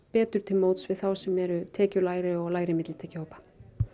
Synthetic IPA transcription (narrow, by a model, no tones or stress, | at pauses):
pɛːt̪ʏɾ̥t̪ʰɪlmoːwt̪svɪðθawsɛmɛɾʏt̪ʰɛːcʏlaːjɾɪɔɣlaːjɾɪmɪt̪lɪt̪ʰɛːcɪhoːwpḁ